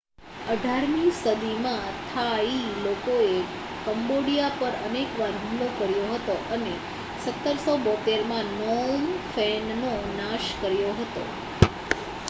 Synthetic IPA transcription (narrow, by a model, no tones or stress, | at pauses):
əɖʱaɾmisəd̪ʱimãt̪ʰailokoe | kəmboɽijapəɾənekʋaɾɦumlokəɾjoɦət̪oʔəne | sət̪ːəɾsɔbɔt̪eɾmãnɔnfɛnnonaʃkəɾjoɦət̪o̰